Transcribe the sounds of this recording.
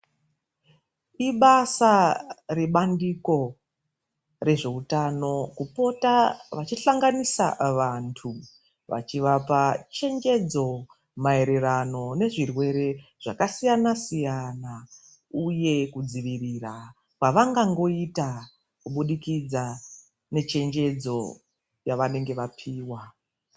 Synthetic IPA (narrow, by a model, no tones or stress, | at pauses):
iɓasare̞ɓandiko̞ | re̞ʐe̞utano̞kupo̞taʋat͡ʃiɬaŋɡanisa̰ʋantʰu | ʋa̰t͡ʃiʋapat͡ʃe̞ŋd͡ʒe̞d͡zo̞ | mae̞ɾe̞ɾano̞ne̞ʐirwe̞ɾe̞ʐ̥akasijanasijana | uje̞kud͡ziʋirira | kwaʋaŋɡaŋɡo̞ita | kuɓuɗikid͡za | ne̞t͡ʃe̞nd͡ʒe̞d͡zo̞̰ | jaʋane̞ŋɡe̞ʋapʰiːwa